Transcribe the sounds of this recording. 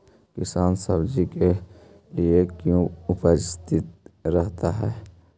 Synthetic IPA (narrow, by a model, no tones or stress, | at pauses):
kɪsaːnsəbd͡ʒike | liekjũʊpəɾst̪ɪt̪̚ɾɛɦt̪aɦɛː